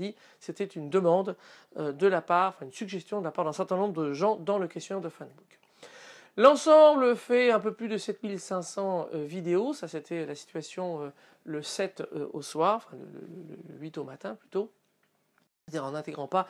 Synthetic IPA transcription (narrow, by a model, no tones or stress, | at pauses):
d̪i | set̪ɛt̪ynd̪əmɑ̃d̪ | ød̪əlapaʁɑ̃fɛ̃ynsyɡʒɛst̪jɔ̃d̪əlapaʁd̪ɛ̃sɛʁt̪ɛ̃nɔ̃bʁd̪əʒɑ̃d̪ɑ̃ləkʲɛst̪jɔnɛʁd̪əfɛnbuk | lɑ̃sɑ̃bləfɛɛ̃pøplyd̪əsɛt̪milsɛ̃sɑ̃øvid̪eosaset̪ʰɛlasi̥t̪ɥasjɔ̃ø | ləsɛt̪øoswaːʁɑ̃fɛ̃lə̰lə̰ələ̰lə̰ɥit̪omat̪ɛ̃plyt̪o | ad̪iʁɑ̃nɛ̃t̪eɡʁɑ̃pa